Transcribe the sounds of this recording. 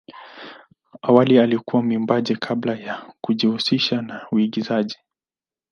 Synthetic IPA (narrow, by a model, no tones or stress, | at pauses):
awalialikuwamiumbaʄɛkʰablajakuʄihusiʃanauiɡizaʄi